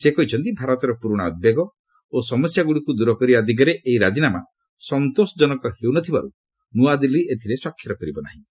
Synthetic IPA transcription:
sekɔɦit͡ʃʰɔnt̪ibʱaɾɔt̪ɔɾɔpuɾɔɽ̃aɔd̪̚beɡɔ | osɔmɔsjaɡuɽikud̪uɾɔkɔɾibad̪ʱik̬aɾeʔeiɾad͡ʒinama | sɔnt̪osɔd͡ʒɔnɔkɔhewnɔt̪ʰibaɾu | nuad̪iliet̪ʰiɾesɔkʰːjɔɾɔkɔɾibɔna̰ɦĩ

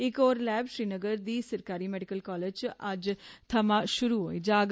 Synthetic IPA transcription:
ɪkoːɾlɛːbʃɾiːnəɡəɾd̪iːsəɾkaːɾiːmɛːɖɪkəlkɔːleːd͡ʒt͡ʃəd͡ʒt̪ʰəmãːʃʊɾuːɦoːiːd͡ʒaːɡ

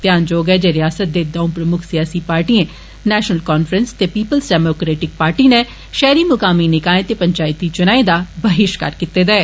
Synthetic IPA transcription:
t̪jaːnd͡ʒoːɡɛːd͡ʒeːɾɪjaːsət̪̚d̪eːd̪ɔ̃ːũpɾəmʊkʰsɪjaːsiːpaːɾʈiẽ | nɛːʃnəlkɔːnfʰɾənst̪eːpiːpəlsɖɛːmoːkɾeːʈɪk̚paːɾʈiːne | ʃɛːɾiːmʊkaːminɪkaːẽt̪eːpəɲt͡ʃaːɪt̪ːiːt͡ʃʊnaːed̪aːbəɦɪʃkə̰ɾkɪt̪ːeːd̪ɛː

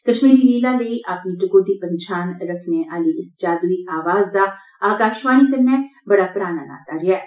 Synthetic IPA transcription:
kəʃmiːɾiːliːlãːləiːʔaːpniːʈʊkoːd̪iːpənt͡ʃʰaːnɾəkʰneːʔaːliːɪsd͡ʒaːd̪uiːʔaːʋaːzd̪aː | aːkaːʃʋaːniːkəɾnɛːbəɽaːpɾaːna̰ːla̰ːt̪aːɾɪɛː

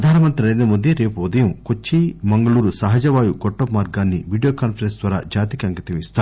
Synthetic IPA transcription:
ɐd̪ʱaːnɐmɐnt̪ɾɐɐjd̪ɐmud̪ʱjɐɾe̞ːpuud̪ɐjɐmkot͡ʃːimɐŋɡɐɭuːɾusɐɦɐd͡ʒɐʋaːjuɡɔʈːɐmːaːɾɡaːnːiʋiːɖijoːkaːnpʰɐɾensd̪ʋaːɾa̰ːd͡ʒaːt̪ikɐŋkɐt̪ɐmist̪aː

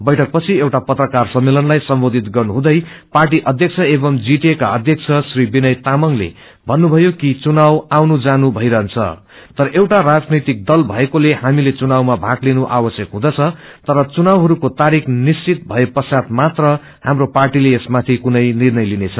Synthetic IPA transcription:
bʌjʈʰʌk̚pʌt͡sʰiewʈapʌt̪rʌkarsʌmːelʌnlajsʌmbod̪ʱit̪ɡʌrnuɦũd̪ʌjparʈ̬iʔʌd̪ʱjʌk̚t͡sʰʌebʌmd͡ziʈeka̰ʌd̪ʱjʌk̚t͡sʰʌsribinʌjt̪amʌŋlḛ | bʱʌnːubʱʌjokit͡sunawawnud͡zanubʱʌjɾʌɦʌnt͡sʰʌ̰ | t̪ʌɾʌʔewʈarad͡znit̪ik̚d̪ʌlbʱʌekolehamilet͡sunawmabʱaklinuʔawʌsjʌkɦũd̪ʌt͡sʰʌ | t̪ʌɾʌt͡sunawɦʌɾukot̪aɾikʰnist͡sit̪̚bʱʌepʌsad̪mat̪rʌ | hamroparʈileesmat̪ʰikunʌjnirnʌjlinet͡sʰʌ

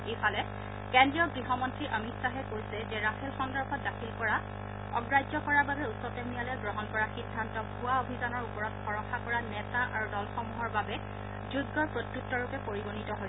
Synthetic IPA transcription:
efʰalɛ | kɛndɹijɔɡɹiɦɔmɔntɹiʔɔmitsaɦɛkojsɛd͡ʒɛɹaxʰɛlxɔndɔɹxʰɔt̚dakʰilkɔɹa | ɔ̰ɡɹajd͡ʒɔkɔɹaɹbabɛusɔtemijalɛjɡɹɔɦɔnkɔɹaxidʱːantɔɡʱuaobʱidanɔɹupɔɹɔtfɔɹɔxʰakɔɹanɛtaʔaɹudɔlxɔmuɦɔɹbabɛ | zuɡːɔpɹotjuk̚tɔɹupɛpoɹiɡonitɔɦoj

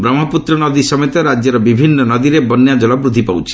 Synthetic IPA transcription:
bɾɔmɦɔput̪ɾɔnɔd̪isɔmet̪ɔɾad͡ʒjɔɾɔbibʱinːɔnɔd̪iɾebɔnːjad͡ʒɔlɔbɾud̪ʱipawt͡ʃʰi̥

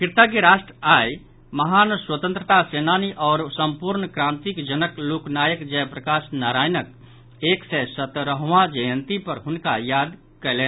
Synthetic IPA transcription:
kɪɾt̪aɡeɾaːʃʈɾəaːj | məɦaːnswət̪ə̃nt̪ɾət̪aseːnaːniʔɔːɾsəmpuɾnkɾãːnt̪ikd͡ʒənəkloːknaːjəkd͡ʒɛːpɾəkaːsnaːɾaːjnək̚ | eːksesət̪ɾəɦʋad͡ʒəjə̃nt̪ipəɾɦʊnka̰jaːd̪ | kɛlẽː

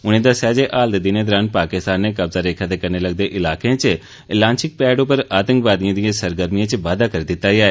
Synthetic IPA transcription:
ʊñẽːd̪aːsaːd͡ʒeːʔaːld̪ed̪ineːd̪ɔːɾaːnpaːkɪst̪aːnːeːkɐbzaːɾeːkʰad̪eːkəɾneːləɡ̚d̪eːʔɪlaːkeãːt͡ʃ | lãːnt͡ʃɪk̚pɛːɖopəɾaːt̪ə̃ŋkʋaːd̪ijãːd̪ijãːsəɾɡəɾmijãːt͡ʃʋaːd̪akəɾiːd̪ɪt̪ːaːiaːeː

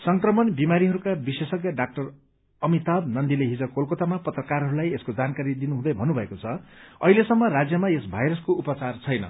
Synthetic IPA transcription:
sʌŋkrʌmʌnbimaɾiɦʌɾukabisesʌkjʌɖak̚ʈʌr | ʌmit̪ab̚nʌnd̪ileɦid͡zʌkolkot̪amapʌt̪rʌkaɾɦʌɾulajeskod͡zankaɾid̪inuɦũd̪ʌjbʱʌnːubʱʌekot͡sʰʌʌ̰ɦilesʌmːʌrad͡zjʌmaesbʱajɾʌskoupʌt͡sart͡sʰʌjnʌ̰

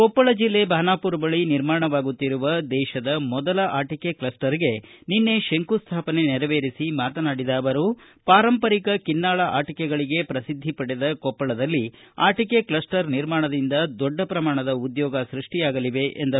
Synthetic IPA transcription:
kɔpːɐɭɐd͡ʒilːe̞bʱaːnaːpuɾɐbɐɭiniɾmaːɳɐʋaːɡut̪ːiɾuʋɐd̪ɛːʃɐd̪ɐmɔd̪ɐlɐʔaːʈike̞klɐsʈɐɾiɡe̞ninːe̞ʃeŋkust̪ʰaːpɐne̞nɛɾɐʋeːɾisimaːt̪ɐnaːɽid̪aːɐʋɐɾu | paːɾɐmpɐɾikɐkinːaːɭɐʔaːʈikɛɡɐɭiɡe̞pɾɐsid̪ʱːipɐɽed̪ɐkɔpːɐɭɐd̪ɐlːi | a̰ːʈikeklɐsʈɐɾniɾmaːɳɐd̪ind̪ɐd̪ɔɖːɐpɾɐmaːɳɐd̪ɐud̪jɔːɡɐsɾiʂʈijaːɡɐliʋe̞ʔend̪ɐ

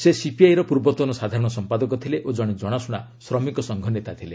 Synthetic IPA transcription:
sesipiajɾɔpuɾbɔt̪wɔnɔsad̪ʱaɾɔɽ̃ɔsɔmpad̪ɔkɔt̪ʰileʔod͡ʒɔɽ̃ed͡ʒɔɽ̃asuɽ̃a | sɾɔmikɔsɔŋɡʱɔnet̪at̪ʰile

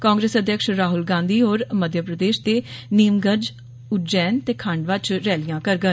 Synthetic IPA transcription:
kãːŋɡɾeːsəd̪ʱjəkʃɾaːɦʊlɡãːnd̪iːoːɾməd̪ʱjəpɾəd̪eːʃt̪eːneːmɡəd͡ʒ | ʊʈ̚d͡ʒɛːnt̪eːkʰəɳɖʋət͡ʃɾɛːlijãːkəɾɡən

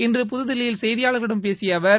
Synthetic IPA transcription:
ɪndrɯp̬ʊðɯðɪlɐjɪlsɛjðɪjaːɭɐɾɣɐɽɯmpeːsɪjɐʋɐɾ

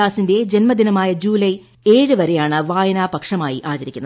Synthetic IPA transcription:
aːsinde̞d͡ʑenmɐd̪inɐmaːjɐd͡ʑuːlɐj | e̞ːɻɨʋɐɾe̞jaːɳɨʋaːjɐnaːpɐkʂɐmaːjiʔaːt͡ɕɐɾikʲːunːɐ

